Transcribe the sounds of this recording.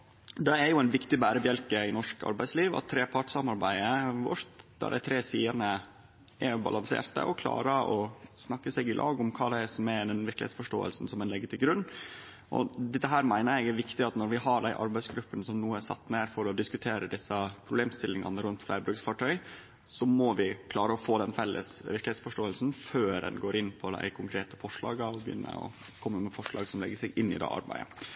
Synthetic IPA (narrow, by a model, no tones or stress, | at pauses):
d̪ɛɛɾjʊæɪnʋɪkt̪ɪbæːɾəbjɛlkəɪnɔʂkɑ̰ɾbæɪsliːʋɑ̰t̪ʰːɾeːpʰɑʈsɑmɑɾbæɪəʋɔ̰ɾt̪d̪æ̰ɾɖ̪æ̰ɪt̪ʰɾeːsiːənə | ʔɛɾbɑ̰lɑnsḛːɾt̪ə̰ʔɔkʰlɑ̰ːɾəʔɔsnɑkːəsɛːɡɪlʔɑ̰ːɡʊmkʰɑːd̪ɛæsɔmæd̪ɛnʋɪɾklɪ̰hḛːt̪sfɔʂʈo̰ːə̰lsn̩sɔmɛnɛɡət̪ʰɪɡɾʉnː | ʔɔ̰d̪ɛt̪ːəɦæːɾmæɪnəɾɛɡæɾʋɪkt̪ɪɑt̪nɔɾʋɪɦɑɖæɪʔɑ̰ɾbæɪsɡɾʉpːənəsɔmnuːəæsɑ̰t̪ːneːɾfɔɾɔd̪ɪskʉt̪ʰeːɾəd̪ɪsːəpʰɾʊbleːmst̪ɪlːɪŋɑ̰nəɾʉnt̪flæɪbɾʉksfɑʈʰœʏ | sɔmɔʋɪkʰlɑːɾəɔfoːd̪ɛnfɛlːʔə̰sʋɪɾklɪhːt̪sfɔʂʈoːəlsn̩føːɾɛ̰nɡoːɾʔɪnːpʰɔd̪æ̰ɪkʰʊŋkʰɾeːt̪əfɔʂɭɑ̰ːɡɑɔbjʏ̰nːə̰ɔ̰ | kʰɔmːəmɛfɔʂɭɑ̰ːɡsɔmlɛ̰ɡːəsɛɡʔɪnːɪ̰d̪ɛ̰ːʔɑ̰ɾbæ̰ɪə̰